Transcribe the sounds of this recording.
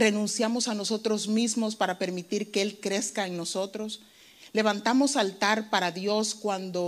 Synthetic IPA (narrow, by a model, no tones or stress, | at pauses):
re̞nũnsjamo̞sano̞so̞t̪ɾo̞zmizmo̞spaɾape̞ɾmit̪iɾke̞elkɾe̞skaeŋno̞so̞t̪ɾo̞s | le̞βant̪amo̞salt̪aɾpaɾaðjo̞skwand̪o̞